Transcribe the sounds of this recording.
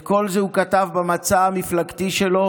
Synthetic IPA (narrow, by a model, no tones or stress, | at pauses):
ko̞lzeukatavbamat͡saamiflaɡt̪iʃelo